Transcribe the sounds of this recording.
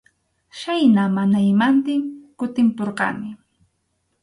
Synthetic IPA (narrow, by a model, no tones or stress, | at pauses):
ʃajnamanajmant̪ɪŋkʊt̪ɪmpoɾqɑ̰nɪ